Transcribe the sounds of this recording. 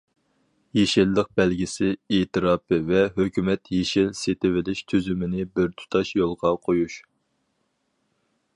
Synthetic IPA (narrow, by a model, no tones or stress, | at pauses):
jeʃɪlːəq̚b̥ɛlɡʲisɪeːt̪ʰɨɾɑːpʰɨvɛɦøkʲymɛt̪jeʃɪlset̪ɪvɪlɪʃt̪ʰyzymɪnɪbɪɾt̪ʰu̥t̪ʰɑʃjolˠʁɑqʰojuʃ